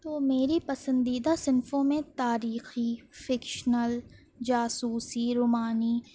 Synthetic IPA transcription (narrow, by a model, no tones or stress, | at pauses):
t̪oːmeːɾipɐsə̃nd̪iːd̪asɪnfõmẽt̪aːɾiːxifɪkʃnəl | d͡ʒaːsuːsiɾʊːmaːni